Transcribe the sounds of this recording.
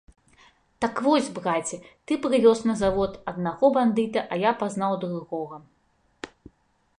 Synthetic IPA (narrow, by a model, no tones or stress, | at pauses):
t̪ɐkvɔzʲbɾat͡sʲɛt̪ɨpɾɨvʲɔsnɐzavɔt̪ɐd̪̚naɣɔband̪ɨt̪ɐʔɐjapaznawd̪ɾuɣɔɣɐ